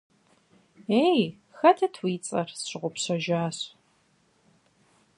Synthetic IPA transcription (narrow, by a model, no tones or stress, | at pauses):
eːj | xɐtʰɐtʰwiːt͡sʼɐ̰rɕɪʁʷʊpɕɐʒaːɕ